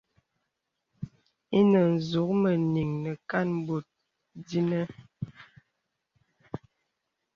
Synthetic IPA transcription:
i˦nə˨n̩˨zu˨˦k̚mə˨ni˨ŋnə˨ka˦˨n˦bo˨t̚ | di˦nə˦

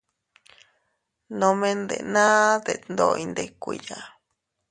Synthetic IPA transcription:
nõ˧mẽ˦nd̪ḛ˨nã˦d̪e˨nd̪oi˧nd̪ekʷi˨ja˨

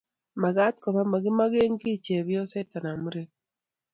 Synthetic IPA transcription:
ma˨ɡa˦tkɔ˨βa˦ma˨ɡɪ˦ma˦ɡe˦ŋɡi˦t͡ʃe˨βjɔ˦se˦ta˨na˨mu˦ɾe˦

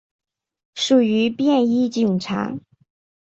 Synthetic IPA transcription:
ʂu˨˩y˧˥pjɛ˥˧ni˥t͡ɕi˨˩ŋʈ͡ʂʰa̰˧˥

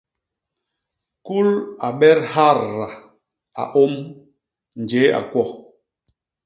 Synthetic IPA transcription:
ku˦la˨ɓɛ˦ɾha˦˨ɾːa˨ | a̰˨ʔo˦m | n˨d͡ʒe˨˦a̰˨kwɔ˦˨

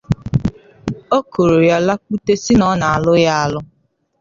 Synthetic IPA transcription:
o˦ko˨ɾo˨ja˦la˦k͡pu˦te˦si˦nɔ˨˦na˨a˨lʊ˦ja˦a˦lʊ˦

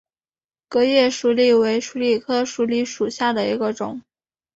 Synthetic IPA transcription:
kɤ˧˥jɛ˥˩ʂu˧˥li˥˩we˧˥ɪʂu˧˥li˥˩kʰɤ˥ʂu˧˥li˧˥ʂu˨˩ɕja˥˩d̪ə˩ḭ˧˥ɡə˧ʈ͡ʂʊ̰˨˩˦ŋ

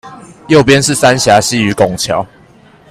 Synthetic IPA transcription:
jo˥˨ʊpjɛ˥˦nʂ̬ɻ̩˥˨˩sa˦nɕja˨˥ɕi˦˥y˨˦kʊ˨˩ŋt͡ɕʰjɑ˨˦ʊ

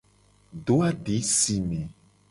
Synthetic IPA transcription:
ɖo˨˦a˦ɖe˨˦si˨mẽ˨

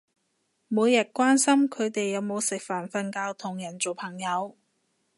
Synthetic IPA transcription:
muː˨˧jɐ˨t̚kʷwaː˥nsɐ˥mkʰɵ˨˧ɥt̪e˨jːɐ˨˧wmo˨˧wsɪ˨k̚faː˨˩nfɐ˧nkaː˧wt̪ʰʊ˨˩ŋjɐ˨˩nt͡so˨wpʰɐ˨˩ŋjɐ˨˧w

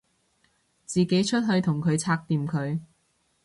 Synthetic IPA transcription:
t͡siː˨˩ke˨˥jt͡ʃʰɵ˥t̚ɦɵ˧ɥt̪ʰʊ˨˩ŋkʰɵ˨˧ɥt͡sʰaː˧k̚t̪iː˨˧mkʰɵ˨˧ɥ

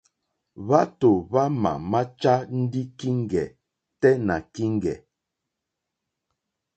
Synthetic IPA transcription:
βa˦to˨βa˦ma̰˨ma˦t͡ʃa˦n̩˦di˦ki˦ŋ˦˨ɡɛ̰˨ | tɛ˦na˨ki˦ŋ̩˦ɡɛ˨

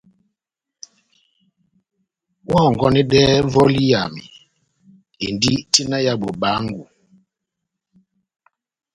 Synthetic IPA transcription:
wɔ˦˨ŋ˨ɡɔ˦nɛ˦dɛː˦vɔ˦li˦ja̰˨mḭ˨ | e˨ndi˦ti˦na˦ja˦bo˨ba˨˦ŋ˦ɡu˨

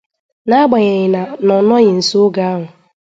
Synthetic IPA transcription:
na˦a˦ɡ͡ba˨ɲe˨ɲɪ˨na˨nɔ˨nɔ˦ɲɪ˨n̩˨so˦ɡa˦a˦ɦʊ˨

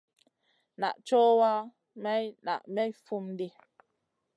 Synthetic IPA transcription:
na̰˨ʔt͡ʃɔː˦wa˦ | mɛ˦jna̰˨ʔmɛ˦fu˦mdi˦

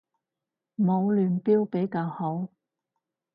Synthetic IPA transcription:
mo˨˧wlyː˨npiː˥wpe˨˥jkaː˧who˨˥w

